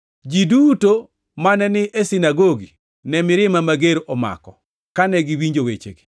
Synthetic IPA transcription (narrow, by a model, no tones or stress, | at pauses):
d͡ʒiduto | manɛnɪʔesinaɡoɡi | nɛmɪɾɪmamaɡeɾɔma̰kɔ | kanɛɡiwiɲd͡ʒowet͡ʃḛɡe̥